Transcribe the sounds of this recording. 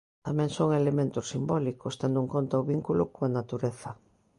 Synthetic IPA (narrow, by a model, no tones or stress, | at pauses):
t̪amẽŋsoŋelemẽnt̪ʊsimbɔlikost̪end̪ʊeŋkont̪ɐoβiŋkulʊkoanat̪uɾeθɐ